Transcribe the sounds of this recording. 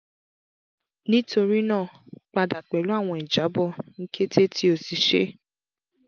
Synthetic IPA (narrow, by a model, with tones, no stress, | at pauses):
nĩ˦tʰo˧ɾi˦nãː˦˨k͡pa˧da˨k͡pɛ˨lu˨˦a˦˨w̃ɔ̃˧˨i˨d͡ʒa˨˦bɔ˦˨ŋ̩˦ke˦tʰe˦tʰi˦o˦˨si˨ʃḛ˦